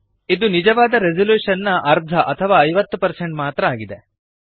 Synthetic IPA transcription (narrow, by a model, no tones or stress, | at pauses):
id̪unid͡ʒɐʋaːd̪ɐɾed͡ʒɐluːʂɐnːɐʔɐɾd̪ʱɐʔɐt̪ʰɐʋaːɐjʋɐt̪ːupɐɾseɳʈmaːt̪ɾɐaːɡid̪e̞